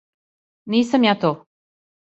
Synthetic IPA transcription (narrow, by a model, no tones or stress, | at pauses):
niːsamjaːt̪oː